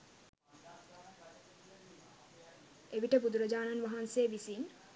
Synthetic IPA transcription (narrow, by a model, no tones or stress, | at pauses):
ebiʈɐbud̪uɾod͡ʑaːnanʋaɦansebisin